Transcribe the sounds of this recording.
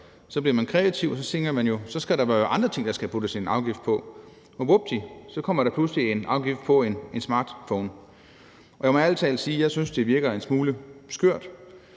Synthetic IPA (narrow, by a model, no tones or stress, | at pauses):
sɒ̽b̥liɐmænkʰʁɛæt͡sʰiʊsɒ̽se̝ŋɐmænjo̝sɒ̽sɡ̥æɾɑ̈ʋæɐjʔɑ̈nd̥ʁɐt͡sʰe̝ŋ̰d̥ɑ̈sɡ̥æpʰud̥əsenɑ̈ʊɡ̥ifd̥̚pʰɒ̽ | ɒbob̥d̥ʰisɒ̽kʰɒ̽m̰ɐɾ̥ɑpʰlusəlie̝nɑ̈ʊɡ̥ifd̥pʰɒ̽ene̝nsmɑ̈ːd̥fɔʊn | ɒjɑ̈ɪmɒ̽ælt͡sʰɛ̰ːlsiːjɑ̈ɪsynsd̥e̝ʋiɐɡ̥ɐensmuːləsɡ̥øɐ̰d̥